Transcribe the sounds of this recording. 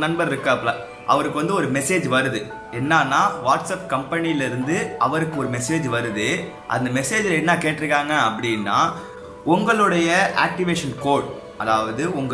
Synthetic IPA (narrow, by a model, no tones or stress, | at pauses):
nɐnbɐɾɪɾɯkːɯɐpːɐɭɐ̃ | ʔɐ̰ʋɐɾɯkːɯʋɐnd̪ɯɔɾɯmɛseːd͡ʒʋɐɾɯðɯ | ɛnːaːnːaːʋaːʈsɐp̚kɐmpɐniɪlɐɪɾɯnd̪ɯɐʋɐɾɯkːɯɔɾɯmɛseːd͡ʒʋɐɾɯðɯ | ʔɐ̰nd̪ɐmɛseːd͡ʒɪlɐɛnːaːkeːʈːɪɾɯkːaːŋɡɐːpːɐɽɪnːa̰ː | ʊŋɡɐɭɯɽɐjɐʔa̰ːk̚ʈɪʋeːʂɐnkoːʈ | ɐðaːʋɐðɯʊŋɡ